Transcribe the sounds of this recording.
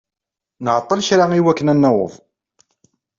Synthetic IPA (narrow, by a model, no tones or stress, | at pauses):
nəʕt̪ˤːəlçɾaiwækːənænːæwə̰ðˤ